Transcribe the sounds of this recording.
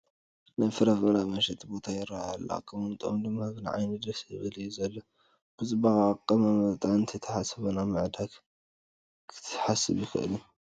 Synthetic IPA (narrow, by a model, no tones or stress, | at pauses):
najfɨɾɐfbɨnamɐʃɛt̪ʰʼbo̞t̪ʰajɪɾːaha̰lːa̰kʼːɨmɨnt̪ʼomd̪ɨmːaɡɨnʕa̰jnɨd̪ɾɐsjɨβɨljuzɐlːo | b̥ɨzʼɨbaɣakʼːɐmamɐt̪ʼanɨnt̪ʰɐt̪ʰɐħasɐβɐnamɨʕd̪ak | kʰɨ̥t̪ʰħasːɨβjɪkɨ̰ʔɨ̰lu